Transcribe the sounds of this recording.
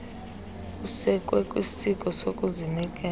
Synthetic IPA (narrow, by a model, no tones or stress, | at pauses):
kusɛkʼwɛkʼwisikʼɔsokʼuzinikʼɛ